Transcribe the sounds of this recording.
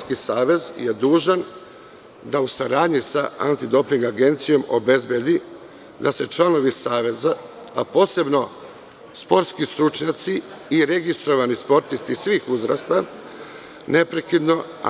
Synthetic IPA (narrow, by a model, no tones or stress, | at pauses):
kisaːʋe̞zjed̪uːʒan | d̪ausaɾaːd̪ɲisa̰a̰nt̪id̪o̞piŋɡaɡe̞nt̪sijo̞mo̰be̞zbje̞d̪i | d̪ase̞t͡ʃlˠano̞ʋisaːʋe̞zaː | po̞ːse̞bno̞ | spo̞ɾt̪skist̪ɾut͡ʃɲat̪siːɾe̞ɡist̪ɾo̞ʋanispo̞ɾt̪ist̪isʋiːxuzɾa̰st̪a | ne̞pɾe̞kid̪no̞